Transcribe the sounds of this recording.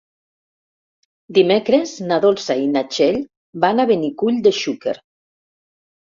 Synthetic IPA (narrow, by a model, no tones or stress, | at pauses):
d̪imekɾeznaðolˠsainat͡ʃeʎ | banaβenikuʎd̪eʃukḛɾ